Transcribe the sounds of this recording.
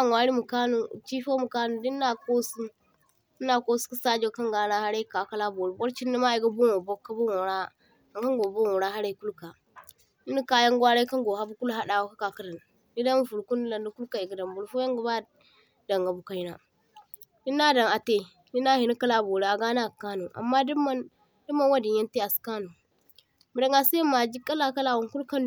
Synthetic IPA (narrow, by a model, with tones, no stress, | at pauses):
a˦˨ŋ˨wa˦ɾi˦mu˨ka˦nu˨t͡ʃi˦fo˦mu˨ka˦nu˦˨diː˦a˦ko˦su˦ | i˦nːa˦ko˦su̥˦ki˦sa˦d͡ʒo˦˨ka˦ŋɡaː˦na˦ha˦ɾa˦ka˨ka˦la˦bo˨ɾi˨bo˦ɾt͡ʃi˦nːi˦ma˦i˨ɡa˦bo˦ŋo˨bo˦kːa˦bo˦ŋo˨ɾa˦ | a˨ŋka˦ŋɡo˨bo˦ŋo˨ɾa˦ɦa˦ɾa˦ku˦lka˨ | i˦ni˦ka˦ja˦ŋɡwa˦ɾe˦ka˦ŋɡo˨ha˦bu˦ku˦lɦa˦da˨wo˦ka˦ka˨kə˦ɾa˨n | ni˦da˦mu˦fu˨ɾku˦n˦la˨ndu˦ku˦lka˨i˨ɡa˨da˨mbu˨ɾfo˦ja˦ŋɡa˦ba˦ | da˨ŋɡa˨bu˦ka˦i˦na˦ | i˦nːa˦da˨ŋa˨te˦ | ni˦na˦hi˨ni˦ka˦la˨bo˨ɾe˨a˨ɡa˦na˦˨ka˦nu˨ʔa̰˨mːa˦dma˦n | du˦ma˦nwa˦di˨ɲja˦nte˦a˨ska˦nu˨ | mu˨da˨ŋɡa˨sa˦mːa˨d͡ʒi˦kːa˦la˨ka˦la˨wa˨ŋku˦lka˦n